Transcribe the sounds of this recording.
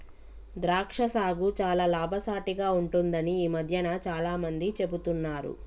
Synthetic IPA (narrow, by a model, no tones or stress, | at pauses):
d̪ɾaːkʂɐsaːɡut͡ʃaːlaːlaːbʱɐsaːʈiɡaːuɳʈund̪ɐniiːmɐd̪ʱjɐnat͡ʃaːlaːmɐnd̪it͡ʃe̞but̪unːaːɾṵ